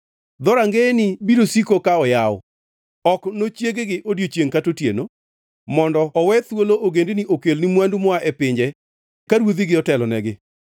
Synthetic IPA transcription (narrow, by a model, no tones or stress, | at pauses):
d̪ɔɾaŋɡenɪbiɾosikokaɔjawɔ̰ | ɔknot͡ʃjeɡɡɪʔodjot͡ʃjeŋkatotjeno | mɔndɔɔwɛt̪woloʔoɡendeniʔokelnimwandumɔaʔɛpɪɲd͡ʒɛ | kaɾwod̪iɡɪɔtɛlɔnɛɡɪ